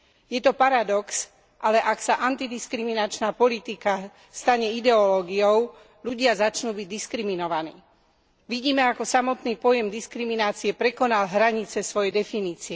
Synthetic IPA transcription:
jɛt̪ɔpaɾad̪ɔks | ʔalɛʔaksaʔant̪id̪iskɾiminat͡ʃnaːpɔlit̪ika | st̪aɲɛid̪ɛɔlɔːɡiɔʊ | ʎuɟɪazat͡ʃnuːbiɟ̚d̪iskɾiminɔʋanḭː | ʋiɟiːmɛakɔsamɔt̪niːpɔjɛmd̪iskɾiminaːt͡siɛpɾɛkɔnalɦɾaɲit͡sɛsʋɔjɛd̪ɛfiniːt͡siɛ

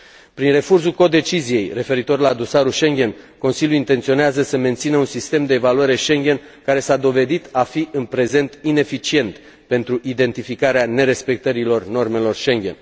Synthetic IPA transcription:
pɾinre̞fursulko̞d̪e̞t͡ʃizije̞jre̞fe̞ɾit̪o̞rlad̪o̞saɾuʃe̞ŋɡʲe̞nko̞nsilʲjuint̪ent̪sio̞neazəsəme̞nt̪sinəunsist̪e̞md̪eːvaluaɾe̞ʃe̞ŋɡʲe̞n | kaɾe̞sad̪o̞ve̞d̪it̪afiʔɨnpɾe̞ze̞nt̪ine̞fit͡ʃie̞nt̪ | pe̞nt̪ɾuʔid̪e̞nt̪ifikaɾeane̞ɾe̞spe̞k̚t̪əɾilo̞rno̞rme̞lo̞rʃe̞ŋɡʲe̞n

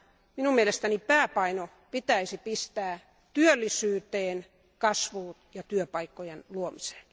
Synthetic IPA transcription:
minumielest̪ænipæːpɑino | pit̪æisipist̪æː | t̪yølːisyːt̪eːn | kɑsʋuːt̪jɑt̪yøpɑikːojenluomise̥ːn

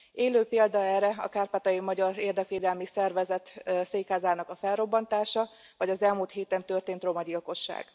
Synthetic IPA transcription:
eːløːpeːld̪ɒɛːrːɛɒ̰kaːrpaːt̪ɒjimɒɟɒreːrd̪ɛkʋeːd̪ɛlmisɛrvɛzɛt̪seːkhaːzaːnɒkɒfɛlro̞bːɒnt̪aːʃɒ | vɒɟɒzɛlmuːlt̪ɦeːt̪ɛnt̪ø̞rt̪eːnt̪ro̞mɒɟilko̞ʃːa̰ːɡ̥

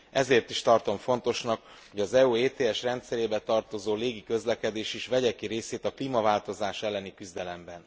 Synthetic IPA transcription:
ɛzeːrt̪iʃt̪ɒrt̪o̞ɱfo̞n̪t̪o̞ʃnɒk | ho̞ɟɒzɛueːt̪eːɛʃrɛnt̪sɛɾeːbɛt̪ɒrt̪o̞zoːleːɡikø̞zlɛkɛd̪eːʃiʃʋɛɟɛkiɾeːseːt̪ɒkliːmɒvaːlt̪o̞zaːʃɛlːɛnikyzd̪ɛlɛmbɛn

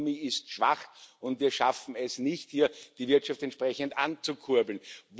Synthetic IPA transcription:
miːɪstʃv̥a̰χʊntviːɐʃafn̩ɛsnɪçthiːɐd̥ivɪɐtʃaftɛntʃpʁɛçəndant͡sukʰuɐbl̩nv

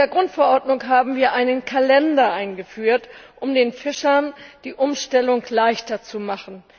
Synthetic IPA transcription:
deːɐɡʁʊntfɛɐʔɔɐtnʊŋɦaːbm̩viːɐʔaɪnənkʰalɛndɐʔaɪnɡəfyːɐtʔʊmdeːnfɪʃɐnd̥iːʔʊmʃtɛlʊŋlaɪçtɐt͡sumaχn̩

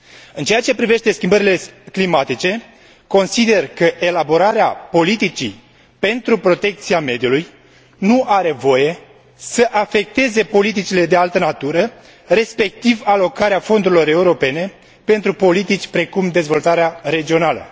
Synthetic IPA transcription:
ɨnt͡ʃejat͡ʃe̞pɾive̞ʃt̪e̞skʲimbəɾile̞klimat̪it͡ʃe̞ | ko̞nsid̪e̞rkəʔe̞labo̞ɾaɾeapo̞lit̪it͡ʃḭ | pe̞nt̪ɾupɾo̞t̪e̞k̚t̪siame̞d̪ijuluj | nuaɾe̞vo̞je̞ | səʔafe̞k̚t̪e̞ze̞po̞lit̪̬it͡ʃile̞d̪ealt̪ənat̪uɾə | re̞spe̞k̚t̪ivalo̞kaɾeafo̞nd̪uɾilo̞ɾe̞uɾo̞pe̞ne̞ | pe̞nt̪ɾupo̞lit̪it͡ʃʲpɾe̞kumd̪e̞zvo̞lt̪aɾeare̞d͡ʒio̞nalə̰

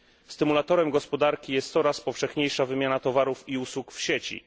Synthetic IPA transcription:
st̪ɘmulat̪ɔɾɛmɡɔspɔd̪aɾkʲijɛst̪sɔɾaspɔfʂɛxɲejʂavɘmʲjanat̪ɔvaɾufiuswukfɕet͡ɕḭ

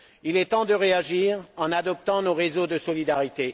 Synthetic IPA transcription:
ilɛt̪ɑ̃d̪əʁeaʒiːʁɑ̃nad̪ɔp̚t̪ɑ̃noʁezod̪əsɔlid̪aʁit̪e

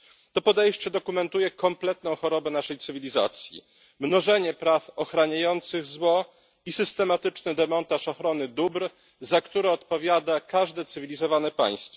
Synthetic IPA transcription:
t̪ɔpɔd̪ɛjɕt͡ɕɛd̪ɔkumɛnt̪ujɛkɔmplɛt̪nɔ̃w̃xɔɾɔbɛnaʂɛjt̪sɘvʲilʲiza̰t̪sʲjḭ | mnɔʐɛɲɛpɾafɔxɾaɲajɔnt̪sɘɣzwɔ | isɘst̪ɛmat̪ɘt͡ʂnɘd̪ɛmɔnt̪aʂɔxɾɔnɘd̪ubɾ | zakt̪uɾɛɔt̪pɔvʲjad̪akaʐd̪ɛt̪sɘvʲilʲizɔvanɛpa̰j̃st̪fɔ

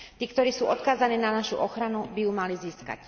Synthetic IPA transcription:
t̪iːkt̪ɔɾiːsuːɔt̪kaːzaniːnanaʃṵʔɔxɾanubijuːmaliziːska̰c

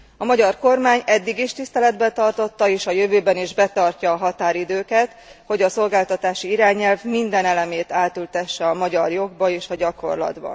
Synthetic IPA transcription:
ɒmɒɟɒrko̞rmaːɲɛd̪ːiɡiʃt̪ist̪ɛlɛd̪bɛt̪ɒrt̪o̞t̪ːɒeːʃɒjø̞vøːbɛniʒbɛt̪ɒrcɒːɦɒt̪aːɾid̪øːkɛt̪ho̞ɟɒso̞lɡaːlt̪ɒt̪aːʃiiɾaːɲɛlvmind̪ɛnɛlɛmeːt̪aːt̪ylt̪ɛʃːɛɒmɒɟɒrjo̞ɡbɒeːʃɒɟɒko̞̰rlɒ̰d̪bɒ̰

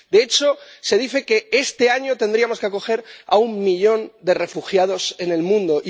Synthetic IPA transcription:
d̪eet͡ʃo̞se̞ðiθe̞ke̞e̞st̪e̞aɲo̞t̪e̞nd̪ɾiamoskako̞xe̞ɾa̰ummiʎo̞nd̪e̞re̞fuxjað̞o̞sene̞lmũnd̪o̞ʔi

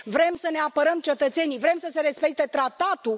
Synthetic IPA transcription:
vɾe̞msəne̞apəɾəmt͡ʃe̞t̪ət̪se̞nivɾe̞msəse̞ɾe̞spe̞k̚t̪e̞t̪ɾat̪at̪u

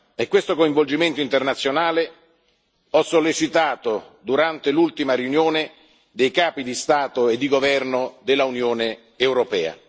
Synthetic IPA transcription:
ekːwest̪okoiɱvold͡ʒiment̪oint̪ernat̪sːjonaːle | ɔsːolːet͡ʃit̪aːt̪od̪uɾant̪elult̪imariunjoːne | d̪ejkaːpid̪ist̪aːt̪oed̪ːiɡovɛrnod̪elːaunjoːneː | wɾopɛːa̰

